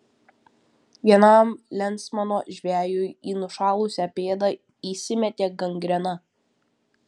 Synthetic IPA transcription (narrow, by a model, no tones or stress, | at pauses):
ʋʲiɛnɐˑmlʲɛnˑt̪smɐnoːʒʲʋʲæːjʊjiːnʊʃɑːlˠʊsʲɛpʲeːd̪ɐ | iːsʲɪmʲɛt̪ʲeːɡɐŋʲɡɾʲɛnɐ